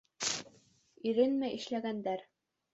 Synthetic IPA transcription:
iɾɘnmæjʔɘ̆ʃlæɡænd̪æɾ

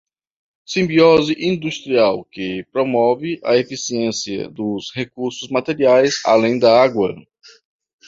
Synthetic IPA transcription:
sĩbiɔziʔĩd̪ust̪ɾiawkɪpɾomɔvɪʔɐefisiẽsiɐ̰d̪ʊshekuɾsʊzmat̪eɾiajza̰lẽj̃d̪ɐaɡwɐ

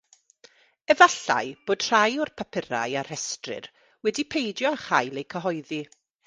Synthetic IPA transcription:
ɛvaɬa̰jb̥oːd̥r̥ajʊrpʰapʰəɾa̰jaɾɛstrɪ̰r | wɛdipʰejdjɔχajlejkʰəɦɔjði

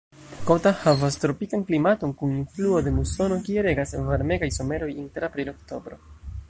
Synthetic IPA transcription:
kotahavastɾo̞pikanklimato̞nkuninfluo̞de̞buso̞no̞kieɾe̞ɡasvaɾme̞ɡajso̞me̞ɾo̞jinteɾapɾilo̞kto̞bɾo̞̰

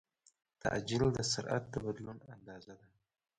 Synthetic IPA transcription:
t̪ʰa̰ʔd͡ʒɪld̪əsaɾʔa̰t̪̚d̪əbad̪lunand̪ɑːzad̪a

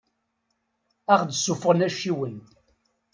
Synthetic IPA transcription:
æχd̪sufʁənæʃiwən

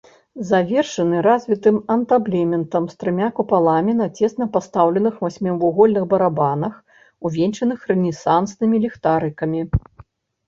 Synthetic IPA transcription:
zavʲɛrʂɐnɨɾazʲvʲit̪ɨmɐnt̪ablʲɛmʲɛnt̪ɐmst̪ɾɨmʲakupalˠamʲinɐt͡sʲɛst̪nɐpast̪awlʲɛnɨxvasʲmʲɛwuɣɔlʲnɨɣbɐɾabanɐx | uvʲent͡ʂɐnɨxrɛnʲisansnɨmʲilʲixt̪aɾɨkɐmʲi

